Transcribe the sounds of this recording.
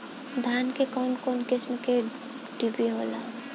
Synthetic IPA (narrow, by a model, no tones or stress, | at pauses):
d̪ʱankekɔnkoːnkɪsmke | ɖ̥ibiɦola̰